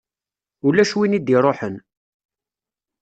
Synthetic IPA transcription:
ulːæʃwinid̪iɾˤoħən

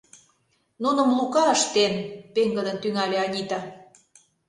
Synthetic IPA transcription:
nunə̆mlukɑəʃt̪enpeŋɡə̆lə̆nt̪yŋɑlʲeɑnʲit̪ɑ

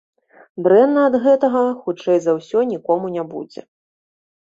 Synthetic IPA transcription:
d̪ɾɛnːɐːd̪ɣɛt̪ɐɣɐxut͡ʂɛjzawsʲɔnʲikɔmunʲabṵd͡zʲɛ̰

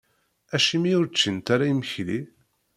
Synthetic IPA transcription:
æʃimiʊɾt͡ʃːənt̪aɾaiməçli

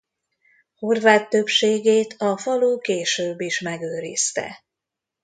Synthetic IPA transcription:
ho̞rvaːt̪ːø̞pʃeːɡeːt̪ʰɒfɒluːkeːʃøːbːiʃmɛɡøːɾist̪ɛ̰

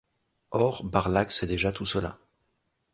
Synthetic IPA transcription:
ɔʁbaʁlaksɛd̪eʒat̪usəla̰

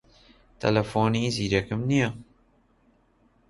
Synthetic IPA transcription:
t̪ʰɐ̰lɐfoːniːziːɾɛkɨmnija

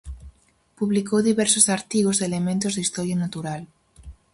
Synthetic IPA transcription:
puβlikowðiβeɾsosaɾt̪iɣozðele̞mẽnt̪o̞zðeist̪o̞ɾjanat̪uɾal

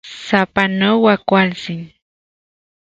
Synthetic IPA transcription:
sapanowakʷalsin

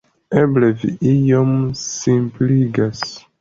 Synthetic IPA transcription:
eblevḭijomsimpliɡas

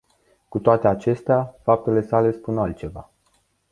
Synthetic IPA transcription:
kut̪oat̪e̞at͡ʃe̞st̪eafap̚t̪e̞le̞sale̞spunalt̪̚t͡ʃe̞va̰

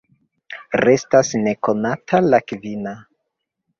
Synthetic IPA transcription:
ɾe̞stasne̞ko̞natʰalakvina

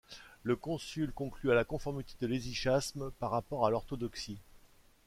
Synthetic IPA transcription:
ləkɔ̃sylkɔ̃klyalakɔ̃fɔʁmit̪e̥d̪əleziʃasmpaʁːapɔʁalɔʁt̪ɔd̪ɔksi

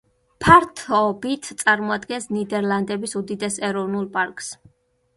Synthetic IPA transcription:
pʰaɾt̪ʰɔbit̪ʰt̪sʼaɾmɔad̪ɡɛnsnid̪ɛɾlˠand̪ɛbisud̪id̪ɛsɛɾɔvnulˠpʼaɾkʼs

